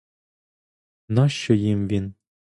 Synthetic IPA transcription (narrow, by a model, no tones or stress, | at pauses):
nɑʃːɔjimvin